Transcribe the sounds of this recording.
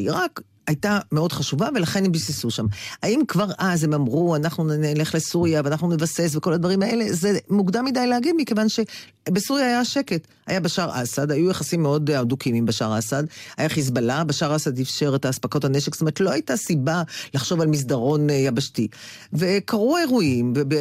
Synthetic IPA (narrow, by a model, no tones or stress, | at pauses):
iʁak | ajtameo̞dχaʃuvave̞laχe̞nembisesuʃamaimkvaʁʔazemamʁuanaχnunele̞χlesuʁjaveanaχnunevase̞sveko̞lad̪vaʁimae̞le̞zemuɡdamːidajleaɡidmike̞vanʃe̞ | besuʁjaːjaʃe̞ke̞t | ha̰jabeʃaʁʔa̰sadajujaχasimːeo̞dodukimimbaʃa̰ʁasadajaχiz̬balabeʃaʁasad̪ifʃe̞ʁetaːspako̞thaneʃekstomet̪lo̞ajtasibalaχʃo̞valmis̬daʁo̞njabaʃti | ve̞kaʁuaeʁuimvebe